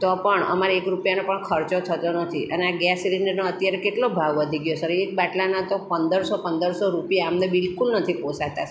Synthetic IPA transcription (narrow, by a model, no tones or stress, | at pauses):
t̪ɔpəɳə̰maɾaekɾupjanõpəɳkʰəɾt͡ʃot̪ʰət̪onət̪ʰiʔəneaɡjɛsiliɳɖəɾnoət̪jaɾekeʈlobʱaʋʋəd̪ʱiɡjosəɾiek̚baʈlanat̪opənd̪əɾsɔpənd̪əɾsoɾupijaːmnebɪlkulnət̪ʰiposaɦt̪a